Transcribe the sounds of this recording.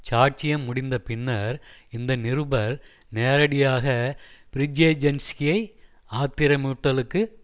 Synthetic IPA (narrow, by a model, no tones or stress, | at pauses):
t͡ʃaːʈ̚t͡ʃɪjɐmːʊɽɪnd̪ɐpɪɳːɐɾɪnd̪ɐnɪɾɯbɐɾ | neːɾɐɽɪjaːɣɐpɪɾɪd͡ʒeːd͡ʒɐnskɪjɐɪ | aːt̪ːɪɾɐmuːʈːɐlɯkːɯ